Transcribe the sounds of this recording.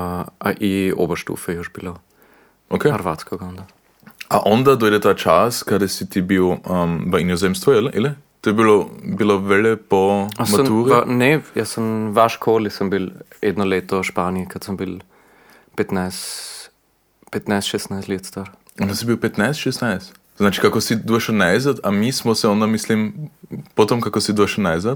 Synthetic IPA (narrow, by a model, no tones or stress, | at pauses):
ʔa̰ʔio̰ːbɐʃtṵːfɛjoʃb̥ilo | ʔokʰeɐɾʋat̪t͡skoɡɔnd̪ɐ | aʔɔnd̪ɐd̪ʊdɛtat͡ʃaskʰadɛsit̪ibiʊɐmvainjozemstvɔɪlʔɛlɪ | d̪̥obilobilovɛlɛpɔamsaɔntuːʁnejasɔnʋaʃkʰoːlisəmbil | ɛd̪nɔleːt̪ɔʃpaːniikat̪səmbil | pɛt̪najs | pɛt̪najst̪ʃɛst̪najst̪let̪st̪aɾ | ɔnd̪asibiwpɛt̪najst̪ʃɛst̪najst̪ | znaːt͡ʃi̥kakɔsid̪uɛʃənajzat̪amismɔsɛɔnd̪amislimpɔt̪omkakɔsid̪uɐʃɐnajzat̪